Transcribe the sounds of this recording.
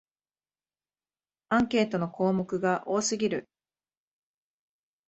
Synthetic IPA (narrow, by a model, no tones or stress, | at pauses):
ãŋke̞ːt̪o̞no̞kʰo̞ːmo̞kɯ̟ɡaʔo̞ːsɨɡʲiɾɯ̟